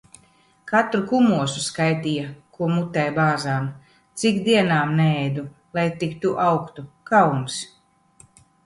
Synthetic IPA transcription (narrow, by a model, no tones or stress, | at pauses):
kat̪ɾukumuɔsuskajt̪ijakuɔmut̪ːɛjbaːzaːm | t̪sikd̪iɛnaːmnɛɛjd̪u | lˠajt̪ikt̪uʔawkt̪ukawns